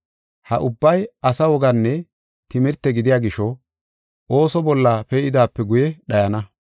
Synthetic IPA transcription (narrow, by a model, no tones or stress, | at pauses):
hɐ̰ʔʊbːɐjɐsɐwɔɡɐnːɛ | t̪ɪmɪɾt̪ːɛɡɪd̪ɪjaːɡɪʃɔ | ʔo̞ːsɔbɔlːɐpɛɪd̪aːpːɛɡʊjɛɗɐjɐnɐ